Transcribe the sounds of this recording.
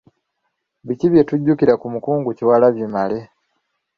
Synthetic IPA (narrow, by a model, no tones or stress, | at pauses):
βiciβje̞tuɟːukiɾakumukuːŋɡuciwalaβjimale̞